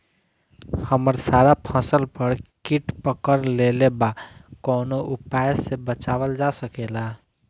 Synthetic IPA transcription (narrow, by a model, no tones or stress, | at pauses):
həməɾsaːɾapʰə̃səlpəɾkiʈpəkəɾlelebakɔːnoʊpaːjəsebət͡ʃaːʋəld͡ʒasəkeːla